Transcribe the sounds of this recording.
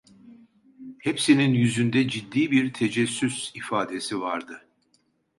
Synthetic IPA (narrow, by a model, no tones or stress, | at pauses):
hepsininjyzynd̪ɛd͡ʒid̪ːiːbiɾt̪ʰed͡ʒɛsːysifaːd̪e̞sivaɾd̪ɯ